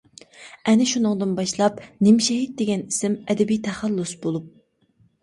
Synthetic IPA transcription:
ɛnɪʃunɨŋd̪ɨnbɑʃlˠɑpnɪmʃɛɦit̪̚d̪eɡʲɛni̥sɪmɛd̪ɛbijt̪ʰɛχælːusbolˠup̚

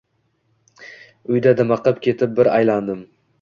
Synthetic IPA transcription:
ʊjd̪ad̪ɪmɑqɨpkʲʰe̞t̪ʰɪp̚bɪɾajland̪ɪm

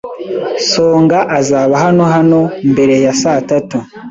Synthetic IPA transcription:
so̞ːŋɡaʔazaβaɦano̞ɦano̞mbe̞ɾe̞jasatatu

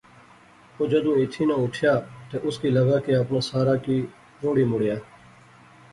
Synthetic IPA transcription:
oːd͡ʒəd̪ũːɪt̪ʰiːnãːʊʈʰjaːt̪eːʔʊskiːləɡaːkeːəpnaːsaːɾaːkiː | ɾoːɽiːmʊɽjaː

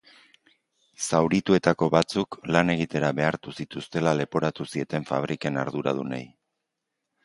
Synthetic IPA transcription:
sawɾit̪ue̞t̪ako̞βat͡suklane̞ɣ̞it̪e̞ɾaβe̞aɾt̪usit̪ust̪e̞lale̞po̞ɾat̪usie̞t̪e̞ɱfa̰β̞ɾʔike̞na̰ɾðuɾa̰ð̞unḛj

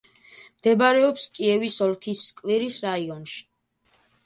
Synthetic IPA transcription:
md̪̥ɛbaɾɛɔpskʼiɛvisɔlkʰisːkʼviɾisɾaiɔnʃi̥

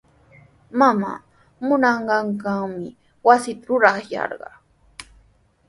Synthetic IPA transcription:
mama̰ː | mʊnɑɴɢɑɴkaŋmɪ | wasɪt̪aɾʊɾɑχjɑ̰ɾɢɑ

